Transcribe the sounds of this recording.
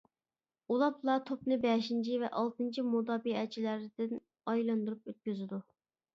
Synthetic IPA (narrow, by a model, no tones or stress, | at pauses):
ulˠɑplˠɑt̪ʰopnɨbɛʃint͡ʃʰivɛʔɑlˠt̪ɨnt͡ʃʰimud̪ɑːbiɛt͡ʃʰilæɾɪd̪̥ɪn | ɑjlˠɑnd̪uɾupøt̪̚kʲyzɪd̪u